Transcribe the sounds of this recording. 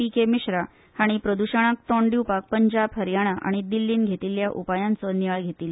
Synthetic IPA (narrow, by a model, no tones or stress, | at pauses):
ikemiɕɾa | haɽ̃ipɾəd̪uɕəɽ̃ak̚t̪ɔɳɖiwpak̚pəɲd͡ʑabɦəɾjaɽ̃aʔa̰ɽ̃id̪ilːiːnɡʱet̪iljaʔupajãnt͡sɔniʋaɭɡʱet̪iːl